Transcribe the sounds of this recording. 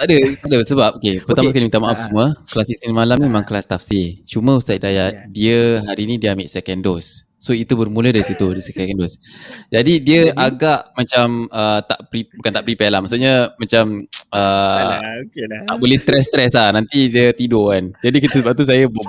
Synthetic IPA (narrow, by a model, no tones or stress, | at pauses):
t̪aʔdət̪aʔdəbəsəbap̚okepəramaskalimŋt̪amaʔafsəmuəklasisinmalamnimemãŋklast̪afsit͡ʃumə̃usajdajaʔdiəɦaɾiːnĩdiəamɪʔsɛkɛndosː | oit̪ubərmũlədaɾisit̪udisɛkɛkɛndosd͡ʒadidiəʔaɡaʔmat͡ʃamət̪a̰ʔpɾibukant̪aʔpəɾipɛlahmaʔsuʔɲəmat͡ʃamə | naʔbolɛhst̪ɾɛst̪ɾɛslahnant̪idiət̪idokand͡ʒadikit̪əsəbap̚t̪us̬ajəb